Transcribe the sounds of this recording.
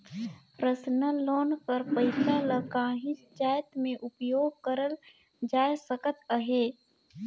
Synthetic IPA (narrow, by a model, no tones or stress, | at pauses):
ɾəsnalɔːnkəɾpəɪsaləkaːɦɪ̃sd͡ʒaːjət̪mẽʔʊpjoːɡ̚kəɾəl | d͡ʒaːjsəkət̪əɦeː